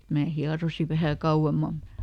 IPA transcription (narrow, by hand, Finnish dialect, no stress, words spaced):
mæː hiɑrosi ʋæhæ kɑuw̆emːɑm̆ mut̆